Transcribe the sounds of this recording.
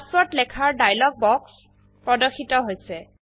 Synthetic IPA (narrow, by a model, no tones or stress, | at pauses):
sɔtlɛkʰaɹdajlɔɡ̚bɔks | pɹɔdɔkʰːitɔɦojsɛ